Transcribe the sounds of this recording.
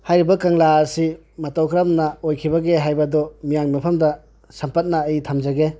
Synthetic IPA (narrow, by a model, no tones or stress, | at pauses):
hajɾibɐkaŋlaːɾsi | mɐtawkʰɾamnɐojkʰibɐɡeɦajbɐdɔmijaŋmipʰɐmdɐ | sɐmpɐt̚naːjtʰamd͡ʒaɡe